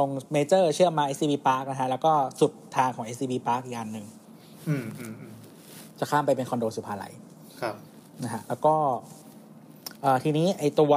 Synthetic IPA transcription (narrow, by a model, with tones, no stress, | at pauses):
lo˧ŋmeː˧t͡ɕɤː˥˩t͡ɕʰɯ˥˩ɐmaː˧ʔeː˦˥siː˧biː˧paː˦˥k̚na˦˥kʰa˦˥lɛː˦˥wkɔː˥˩su˨˩t̪ʰːaː˧ŋkʰɔː˩˦ŋʔe˦˥siː˧biː˧paː˦˥k̚ʔiː˨˩k̚ʔa˧nːɯ˨˩ŋ˧ | t͡ɕa˨˩kʰaː˥˩mpa˧jpe˧nkʰɔ˧ndoː˧su˨˩pʰaː˧˩la̰˩˦jʰ | na˦˥kʰa˦˥ʔlɛː˦˥wkɔː˥˩ | ʔəː˨˩t̪ʰiː˧niː˦˥ʔa˧jt̪u˧ɐ